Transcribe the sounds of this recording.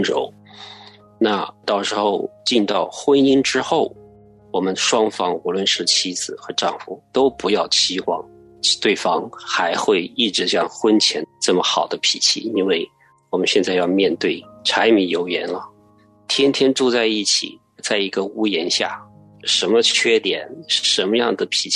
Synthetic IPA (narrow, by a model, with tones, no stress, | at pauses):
nɻo̰˧˥ʊ | na˥˩t̪ɑ˥˩ʊʂɻ̩˧˥xo˥˧ʊt͡ɕi˥˧nt̪ɑ˥˩ʊxwə˥ni˥ŋʈ͡ʂɻ̩˥xo˥˩ʊ | wɔ˨˩mə˦nʂwɑ˥ŋfɑ˥ŋu˧˥lwə˥˧nʂɻ̩˥˩t͡ɕʰi˥d͡zɹ̩˨˩xɤ˧˥ʈ͡ʂɑ˥˩ŋfu˨˩t̪o˥ʊpu˧˥jɑ˥˩ʊt͡ɕʰi˥xwɑ˥˩ŋ | t̪we˥˩ɪfɑ˥ŋxa˧˥ɪxwe˥˧ɪi˥˩ʈ͡ʂɻ̩˧˥ɕjɑ˥˩ŋxwə˥nt͡ɕʰjɛ˧˥nʈ͡ʂɤ˥˩mə˩xɑ˨˩ʊd̪ə˦pʰi˨˩t͡ɕʰḭ˥˩i˥nwe˥˩ɪ | wɔ˨˩mə˦nɕjɛ˥˧nt͡sa˥˧ɪjɑ˥˧ʊmjɛ˥˧nt̪we˥˩ɪʈ͡ʂʰa˧˥ɪmi˧˥jo˧˥ʊjɛ˧˥nlə˧ | t̪ʰjɛ˥nt̪ʰjɛ˥nʈ͡ʂu˥˧t͡sa˥˧ɪi˥˩t͡ɕʰḭ˨˩ | t͡sa˥˩ɪi˧˥ɡə˧u˥jɛ˧˥nɕja̰˥˩ | ʂə˧˥nmə˧t͡ɕʰɥɛ˥t̪jɛ˨˩˦nʂɻ̩˥˩ʂə˧˥nmə˧jɑ˥˩ŋd̪ə˩pʰi˨˩˥